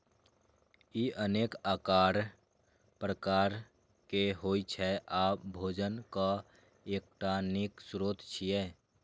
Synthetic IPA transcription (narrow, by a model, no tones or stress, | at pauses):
iʔəneːkaːkaːɾ | pɾəkaːɾ | keɦoːit͡ʃʰɛʔaːpbʱoːd͡ʒənka | eːk̚ʈanɪksɾoːt̪t͡ʃʰijeː